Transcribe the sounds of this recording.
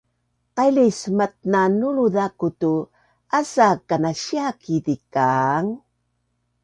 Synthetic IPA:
qajlismat̪̚nanuɭuðakutu | asakanaɕiakidikaŋ

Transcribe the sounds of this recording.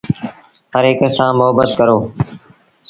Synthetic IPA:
həɾeːkəsãːmʊɦəbət̪̚kəɾoː

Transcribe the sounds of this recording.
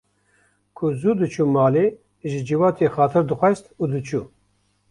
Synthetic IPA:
kʰʊzuːd̪ɨt͡ʃʰuːmɑːleː | ʒɨd͡ʒiwɑːt̪ʰexɑːt̪ʰɨɾd̪ɨxʷɛst̪uːd̪ɨt͡ʃʰuː

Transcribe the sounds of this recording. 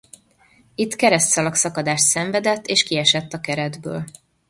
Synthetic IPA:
it̪ːkɛɾɛst̪sɒlɒksɒkɒd̪aːʃt̪sɛɱvɛd̪ɛt̪ːeːʃkiɛʃɛt̪ːɒkɛɾɛd̪bø̰ːl

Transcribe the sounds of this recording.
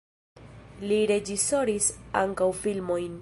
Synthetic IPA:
liɾe̞d͡ʒiso̞ɾisa̰ŋkawfilmo̞jn

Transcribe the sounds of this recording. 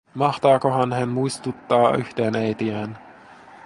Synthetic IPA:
mɑht̪ɑːkoɦɑnhænmuist̪ut̪ːɑːy̰ht̪eːnejt̪iæːn

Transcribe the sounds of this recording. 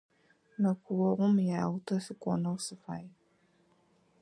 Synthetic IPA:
nəkuwɔɣʊmjaːwʊtəsɨkɔ̰nəsɨfaj

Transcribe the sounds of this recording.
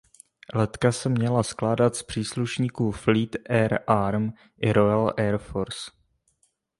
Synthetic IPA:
lɛt̪kasɛmɲɛlasklaːdat̪spr̝̥iːsluʃɲiːkuːfliːt̪ʔɛɾʔaɾm | ʔɪɾojalʔɛɾfoɾs

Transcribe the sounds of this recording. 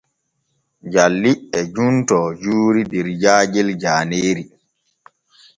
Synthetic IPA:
d͡ʒalːiʔɛd͡ʒuntɔd͡ʒuːɾidɛɾd͡ʒaːd͡ʒɛld͡ʒaːneːɾi

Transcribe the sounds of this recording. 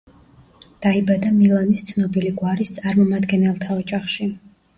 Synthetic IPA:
d̪̥aibad̪amilˠɔnist̪sʰnɔbiliɡwaɾist̪sʼaɾmɔmad̪ɡɛnɛlˠt̪ʰaɔd͡ʒʼaχʃi

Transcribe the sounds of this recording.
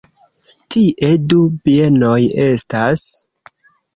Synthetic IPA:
tiʔe̞dupie̞no̞je̞stas

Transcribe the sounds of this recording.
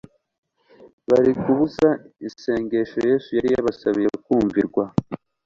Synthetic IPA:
βaɾikuβuzaise̞ːŋɡe̞ʃo̞je̞ːsujaɾijaβasaβijekuːɱviɾɡwa

